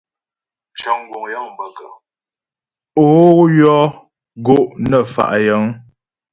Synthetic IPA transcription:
t͡ʃə˨ŋ˨ɡwo˨ŋja˦ŋm˨bə˨kə˨ | o˦jɔ˦ | ɡo˦˨ʔnə˦˨fa̰˨ʔjə˨˦ŋ

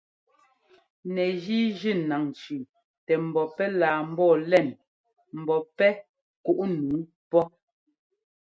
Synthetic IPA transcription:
nɛ˨ʒi˦ʒi˦˨na˨ŋt͡ʃʉ˨ | tɛ˨m̩˨bɔ˨pɛ˦laː˨m̩˦bɔː˦˨lɛ˦˨n | m̩˨bɔ˨pɛ˦ | ku˦ʔnu˨˦ | pɔ˦

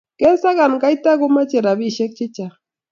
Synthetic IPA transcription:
ke˦sa˦ɣa˨nka˦jt̪a˦ɡʊ˦ma˦t͡ʃe˨ɾa˨bi˦ʃe˦k̚t͡ʃɪ˦t͡ʃa˨

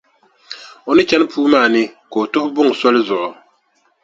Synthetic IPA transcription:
o˨nɨ˦t͡ʃɛ˦nɨ˦puː˦maː˦˨nɨ˦ko˨o˨tʊ˦ʔʊ˦bʊ˦ŋ˨sɔ˦lɨ˦zʊ˨ʔʊ˨

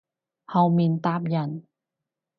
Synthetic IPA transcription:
ha˧wmi˧nt̪aː˦˥˩p̚ja˧n

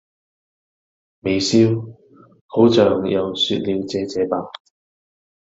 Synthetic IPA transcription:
me˨jsiː˥w | hʰo˨˥wt͡sœː˨ŋjɐ˨˧wsyː˧t̚liː˨˧wt͡sɛː˨˧t͡sɛː˨˥paː˨˩

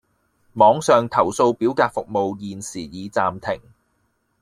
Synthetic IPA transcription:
mɔː˨˧˥ŋsœː˨ŋt̪ʰɐ˨˩wso˧wpiː˨˥wk̪aː˧t̚fʊ˨k̚mo˨˧wjiː˨nsiː˨˩jiː˨˧t͡saː˧mt̪ʰɪ˨˩ŋ

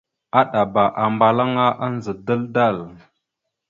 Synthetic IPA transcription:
a˦ɗa˨ba˨ʔa˨mba˨la˦ŋa˦ʔa˦n˦zə˨də˦lda˦˨l

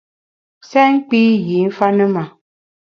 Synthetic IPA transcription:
sɛ˦ŋ˦k͡pi˦ji˨˦n̩˦fa˦nə˦ma˨

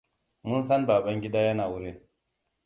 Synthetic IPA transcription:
mʊ˦nsɐ˦nbaː˨ɓɐ˦ŋɡʲɪ˦daː˦jɐ˦naː˨wʊ˦ɾe˦

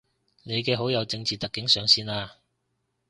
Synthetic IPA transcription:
ne˨˧jkɛː˧ɦo˨˥wjɐ˨˧wt͡sɪ˧ŋt͡siː˨t̪ɐ˨kːɪ˨˥ŋsœː˨˧ŋsiː˥˧naː˧

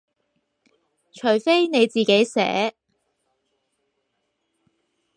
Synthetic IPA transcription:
t͡ʃʰɵ˨˩jfe˥jne˨˧jt͡siː˨˩ke˨˥jsɛ̰ː˨˥

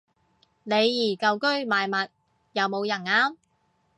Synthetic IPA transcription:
ne˨˧jːiː˨˩kɐ˨wkɵ˥ɥmaː˨˧jmɐ˨t̚ | jɐ˨˧wmo˨˧wjɐ˨˩naː˧˥m

